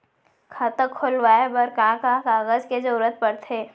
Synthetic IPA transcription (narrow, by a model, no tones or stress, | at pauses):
kʰat̪əkʰːʊlʋaːebəɾkãːkãkaːɣəzked͡ʒəɾət̪̚pəɽt̪ʰeː